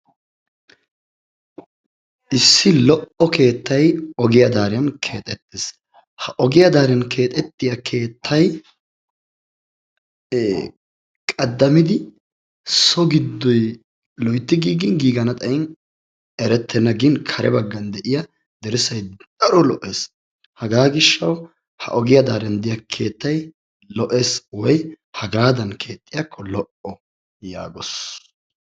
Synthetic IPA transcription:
ʔɪsːɪlɔʔɔke̞ːt̪ːɐjɔɡɪjɐd̪aːɾɪjɐnkʰeːt̪ʼɛt̪ːɪs | hɐʔɔɡɪjɐd̪aːɾjɐnkʰe̞ːt̪ʼɛt̪ːɪjɐkʰe̞ːt̪ʰːɐj | kʼɐd̪ːɐmɪd̪ɪ | sɔɡɪd̪ːɔj | lɔjt̪ːɪɡiːɡɪnɡiːɡɐnɐt̪ʼɐjɪn | ɛɾɛt̪ʰːɛnɐɡɪnkʰɐɾʔɛ̰bɐɡːɐnd̪ɛʔɪjɐ | d̪ɛɾɪsɐjd̪̥ɐɾɔlɔʔeːs | hɐɡaːɡɪʃːɐw | hɐ̰ʔɔɡɪjɐd̪aːɾɛnd̪ɪjɐkʰe̞ːt̪ːɐj | lɔʔeːswɔj | hɐɡɾaːd̪ɐnkʰe̞ːt̪ʼːɪjɐkʰːɔlɔʔɔ | ja̰ːɡɔs

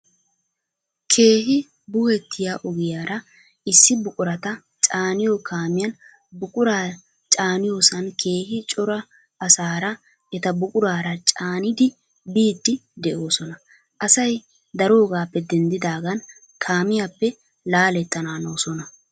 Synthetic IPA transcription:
kʰe̞ːɦɪ | bʊhɛt̪ʰːɪjaʔɔɡɪjaːɾɐ | ɪsːɪbʊkʼʊɾɐt̪ɐ | t͡ʃʼaːnɪjokʰaːmɪjɐn | bʊkʼʊɾaː | t͡ʃʼaːnɪjo̞ːsɐnkʰe̞ːhɪt͡ʃʼɔɾɐ | ɐsaːɾɐ | ɛt̪ɐbʊkʼʊɾaːɾɐt͡ʃʼaːnɪd̪ɪ | biːd̪ːɪd̪ɛʔo̞ːsɔnɐ | ʔɐsɐj | d̪ɐɾo̞ːɡaːpːɛd̪ɛnd̪ɪd̪aːɡɐn | kʰaːmɪjapːɛ | laːlɛt̪ːɐnaːno̞ːsɔnɐ

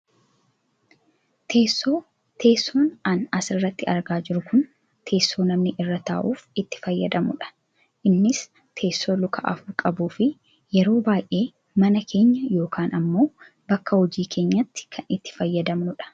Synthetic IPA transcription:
t̪ʰe̞ːsːo̞ː | t̪ʰe̞ːsːoːnɐnɐsɪrːɐt̪ːɪɐɾɡaːd͡ʒɪɾʊkʊn | t̪ʰe̞ːsːo̞ːnɐmnɪʔɪrːɐt̪a̰ːʔuːfɪt̪ːɪ̥fɐjːɐd̪ɐmʊᶑɐ̥ | ʔɪnːɪs | t̪ʰe̞ːsːo̞ːlʊkʰɐ̰ʔɐ̰fʊɾkʼɐbuːfɪ | jɛɾo̞ːbaːjʔe̞ː | mɐnɐkʰe̞ːɲːɐjo̞ːkʰaːnɐmːo̞ː | bɐkːɐhɔd͡ʒiːkʰe̞ːɲːɐt̪ːɪ̥kʰɐnɪt̪ːɪ̥fɐjːɐd̪ɐmnʊᶑɐ̥

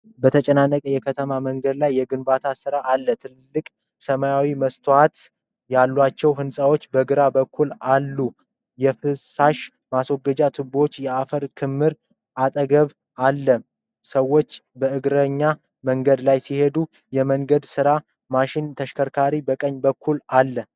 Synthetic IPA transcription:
bət̪ʰət͡ʃʼɛnanːəkʼəjɛkʰət̪ʰəmaməŋɡəd̪lajːɛɡɨnbat̪ʰasɨɾaʔalːət̪ʰɨlːɨkʼ | səmajawiməst̪ʰwat̪ | jalːwat͡ʃːɛwɦɨnsʼawo̞t͡ʃːbəɡɨɾabəkʰːulalːu | jɛfɨsaʃ | maswoɡːəd͡ʒat̪ʰɨbo̞t͡ʃːjɛafəɾkʰɨmːɨɾ | ʔat̪ʼəɡəβ | alːə | səwːo̞t͡ʃːbəɨɡɾəɲːa | məŋɡəd̪lajsihe̞d̪u | jɛməŋɡəd̪sɨɾa | maʃɪnt̪ʰəʃkʰəɾkʰaɾibəkʼəɲːbəkʰːulalːə

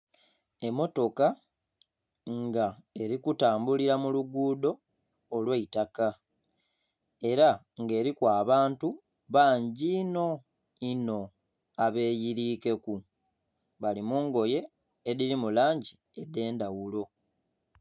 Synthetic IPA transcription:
e̞mːo̞to̞ka | ŋɡae̞ɾikutaːmbuliɾamuluɡuːdo̞ː | lweitaka | e̞ɾa | ŋɡe̞ːɾikwaːβaːntu | βaːɲɟino̞ | ino̞ | aβe̞ːjiɾiːke̞ku | βalimuːŋɡo̞je̞ː | ðiɾimulaːɲɟi | e̞de̞ːndawulo̞

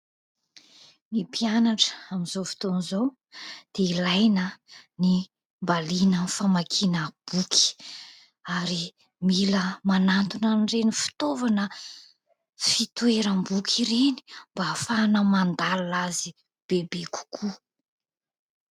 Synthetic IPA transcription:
mipianaʈ͡ʂə̥amizofi̥t̪onizo | d̪̥eilajnəni | mbalinənfamakʰinəb̥uki̥ | aɾi | miləmanant̪unanrenifi̥t̪ovanə | fit̪ueɾəmbukʲʰiɾeni̥mbaːfaːnəmand̪alulazi | b̥ebeku̥kʰu

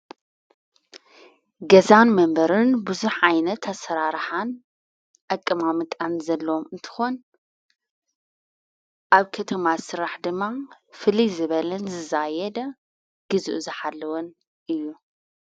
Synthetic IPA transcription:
ɡɐzanmɐmbɐɾɨnbɨzuħʕajnɐt̪ʰːɐsɐɾaɾħan | ʔɐkʼːɨmamɨkʼanzɐlːɐwomɨnt̪ʰɨ̥xon | ʔaβkʰɐt̪ʰɐmasɨɾaħd̪ɨmːa | fɨlizɨβɐlɐnzɨzajɛd̪ɐ | ɡ̥ɨzuʔzɨħalːɐwon | ʔɨjːu

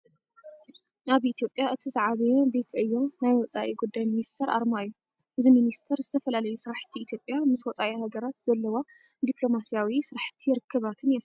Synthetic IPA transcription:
aβʔit̪ʰjo̞pʼːjaʔɨt̪ʰizaʕaβɐjebe̞t̪ʰʕɨjːo̞najwɔt͡sʼaʔiɡud̪ːajminist̪ʰɐɾʔa̰ɾmajːu | ʔɨziminist̪ʰɐɾzɨt̪ʰɐfɐlalɐjusɨɾaħt̪ʰiːt̪ʰjo̞pʼjamɨswɔt͡sʼaʔihaɡɐɾat̪z̥ɐlːɐwa | d̪iplo̞masijawisɨɾħt̪ʰijɾɨkʰːɐβat̪ʰɨnjɛs

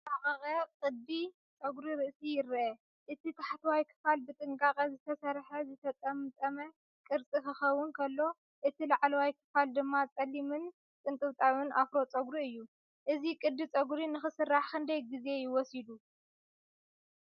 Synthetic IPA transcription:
t̪ʼaχʼɐkʼɐkʼɨd̪̚bi | t͡sʼɐɡɾiɾɨʔsijɪɾʔɐ | ʔɨt̪ʰit̪ʰaħat̪ʰɐwajkʰɨ̥falbɨt̪ʼɨŋkʼakʼɐzɨt̪ʰɐsɐɾħɐzɨt̪ʰɐt͡sʼɐmɨt̪ʼɐmɐ | kʼɨɾt͡sʼikɨxɐwːʊnkʰɐlːo̞ | ʔɨt̪ʰilaʕlɐwajkʰɨ̥fald̪ɨmːat͡sʼɐlːimɨn | t̪ʼɨnt̪ʼɨwt̪ʼawɨnʔafɾo̞t͡sʼɐɡɾiɨjːu | ʔɨzikʼɨd̪bit͡sʼɐɡɾinɨxɨsɨrːaħkʰɨnd̪ɐjɡize̞jɪwɔsid̪u

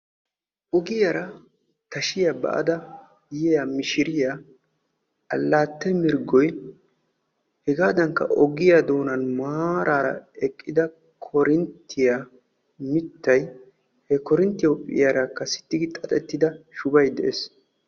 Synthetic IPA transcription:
ʔɔɡɪjɐɾɐ | t̪ɐʃɪjabɐ̰ʔɐ̰d̪ɐ | jɛjamɪʃɪɾɪja | ɐlːaːt̪ːɛmɪɾɡɔj | hɛɡaːd̪ɐŋkːɐ̰ʔɔɡɪjad̪o̞ːnɐnmaːɾʔaːɾɐ̰ɛkʼːɪd̪ɐ | kʰɔɾɪnt̪ʰːɪja | mɪt̪ːɐj | hɛkɔɾɪnt̪ːɪjɔpʼːɪ̰jaɾɐkːɐsɪ̥t̪ːɪɡɪt̪ʼɐt̪ʼɛt̪ːɪd̪ɐʃʊbɐjd̪ɛʔeːs

